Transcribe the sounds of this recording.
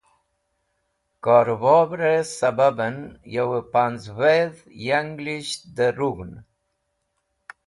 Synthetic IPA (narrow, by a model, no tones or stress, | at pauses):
kɔɾvɔbɾesababənjawəpanzveð | jaŋɡliʃd̪əɾuɡn